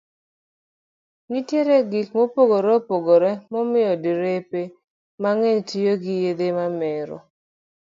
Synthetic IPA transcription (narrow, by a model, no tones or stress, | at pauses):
nitjeɾeɡikmopoɡoɾepoɡoɾɛmɔmɪjɔdiɾepe | maŋeɲtijoɡɪjed̪emamɛɾɔ̰